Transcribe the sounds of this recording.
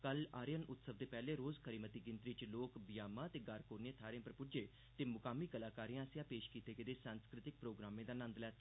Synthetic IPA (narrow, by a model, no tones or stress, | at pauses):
kəlaːɾjənʊt̪səʋd̪eːpɛːleːɾoːzkʰəɾiːmət̪iːɡɪ̃nt̪ɾiːt͡ʃloːkbɪjaːmaːt̪eːɡaːɾkoːɾneːt̪ʰaːɾjẽpəɾpʊd͡ʒeː | t̪eːmʊkaːmiːkəlaːkaːɾijãːsɪjãːpeːʃkiːt̪eːkəd̪eːsãːnskɾɪt̪ɪk̚pɾoːɡɾaːmẽːd̪aːnə̃nd̪lɛːt̪ː